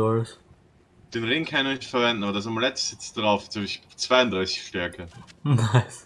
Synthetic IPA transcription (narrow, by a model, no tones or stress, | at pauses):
ɔls | d̥eːnʁɪŋkʰançnnɪçtfɛɐvɛndn̩ʔabɐdas̬amulɛtsɪt͡sd̥ʁaʊft͡soɪçt͡sv̥aɪʊndʁaɪsɪ̥çʃtɛɐkʰənaɪs